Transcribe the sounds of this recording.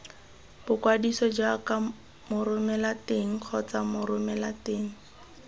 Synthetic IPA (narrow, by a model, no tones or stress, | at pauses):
b̥ʊkwadisɔd͡ʒaka | mʊɾʊmɛlateŋ̩q͡χʰɔt͡samʊɾʊmɛlateːŋ̩